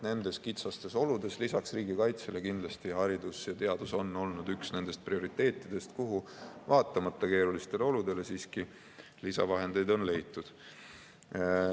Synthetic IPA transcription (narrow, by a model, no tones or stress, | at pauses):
ne̞nd̪̥e̞skit̪sɑst̪e̞so̞lud̪̥e̞slisɑksriːɡikɑjt̪se̞le̞kind̪lɑst̪ihɑɾid̪̥usjɑt̪e̞ɑd̪̥uso̞nːo̞lnud̪yksne̞nd̪̥e̞st̪̚prio̞ɾit̪ˑːe̞ːt̪ˑːid̪̥e̞st̪kuɦuvɑːt̪ˑːɑmɑt̪ːɑke̞ːɾulist̪e̞le̞o̞lud̪̥e̞le̞siːski | lisɑvɑɦe̞nd̪e̞jd̪o̞nle̞jt̪ːˑud̪̥